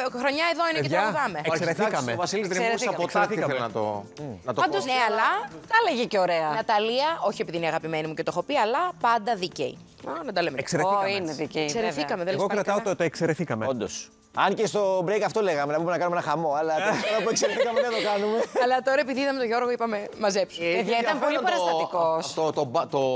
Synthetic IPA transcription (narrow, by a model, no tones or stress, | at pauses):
xɾo̞ɲɐeðo̞ineeʝɐvɐmeesɾeθikɐmevɐsiliseɾessɐɐpt̪ɐɐlnɐt̪o̰nɐt̪oɐnd̪osneɐlɐt̪ɐleʝeceoɾe̞ɐnɐt̪ɐliɐʔo̞çiepiðiniɐɣɐpime̞nimuce̞t̪o̞xo̞piɐlɐpɐnd̪ɐðicḛḭ | ɐnɐd̪ɐlemeekseɾeineðicesseɾeθikɐmeðenokɾɐt̪ɐot̪ot̪oekseɾeθikɐmeond̪os | ɐncest̪o̞bɾejkɐft̪ole̞ɣɐmenɐbumenɐkɐnumenɐxɐmo̞ɐlɐɐnɐpuekseɾeθikɐmeeɐt̪okɐnumeɐlɐt̪o̞ɾɐe̞p̬iðiiðɐmet̪oʝo̞ɾɣoipɐme̞mɐzepseðɐit̪ɐnpolipɐɾɐzmɐikosot̪obɐt̪o